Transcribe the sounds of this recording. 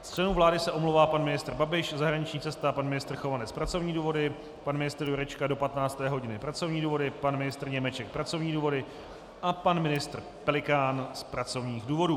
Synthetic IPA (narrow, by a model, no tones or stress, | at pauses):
st͡ʃlɛnuvlaːdɪsɛʔomlowvaːpanmɪnɪst̪r̩babɪʃzaɦɾaɲɪt͡ʃɲiːt͡sɛst̪apanmɪnɪst̪r̩xo̞vanɛspɾat͡so̞vɲiːduːvo̞dɪ | panmɪnɪst̪rjuɾɛt͡ʃkado̞pat̪naːt͡st̪ɛːɦo̞ɟɪnɪpɾat͡so̞vɲiːduːvo̞dɪpanmɪnɪst̪rɲɛmɛt͡ʃɛk̚pɾat͡so̞vɲiːduːvo̞dɪ | ʔapanmɪnɪst̪r̩ | pɛlɪkaːnspɾat͡so̞vɲiːxduːvo̞duː